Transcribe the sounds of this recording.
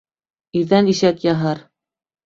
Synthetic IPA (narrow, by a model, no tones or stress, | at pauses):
iɾðæniʃækjɑɦɤɾ